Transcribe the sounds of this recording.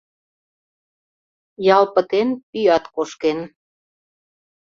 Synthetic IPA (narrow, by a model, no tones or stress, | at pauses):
jɑlpə̆t̪enpyjɑt̪koʃken